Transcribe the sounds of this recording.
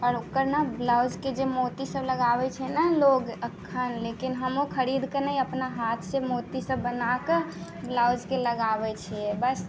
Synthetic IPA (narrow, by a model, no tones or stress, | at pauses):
ɔːɾukəɾnablaʊd͡ʒked͡ʒemot̪isəbləɡabɛt͡ʃʰɛnəloɡəkʰːənlekinɦəmokʰəɾid̪kenəiəpnaɦat̪ʰsemot̪isəbːənake | blawd͡ʒkeləɡabɛt͡ʃʰɛɛbəs